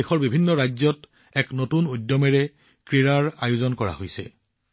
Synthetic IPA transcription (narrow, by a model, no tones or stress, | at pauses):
exɔɹbibʱinːɔɹajzɔt | ɛknotunujdjɔmɛɹɛ | kɹiɹaɹajuzɔnkɔɹa̰hojsɛ̰